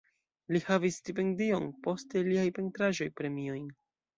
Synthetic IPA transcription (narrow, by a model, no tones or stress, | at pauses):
lihavisːtip̬e̞ndio̞npo̞ste̞liajpe̞ntɾaʒo̞jpɾe̞mio̞jn